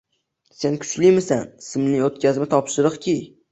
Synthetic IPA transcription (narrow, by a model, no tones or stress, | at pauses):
se̞nkʲʰʊ̥t͡ʃlɪmɪsansɪmnɪot̪kʲʰazmɪt̪ʰɒpʃɪɾɨqkʲʰi